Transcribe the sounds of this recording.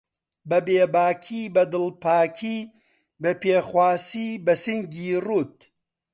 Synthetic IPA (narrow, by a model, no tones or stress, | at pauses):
bɐbeːbaːkʰiːbɐd̪ɨlpaːkʰiː | bɐpeːxwaːsiːbɐsɨŋɡiːruːt̪̚